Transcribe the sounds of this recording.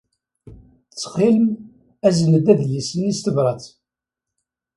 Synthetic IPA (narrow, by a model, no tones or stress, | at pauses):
t͡sːχilm | æznəd̪æðlisənist̪əvɾˤɑt͡s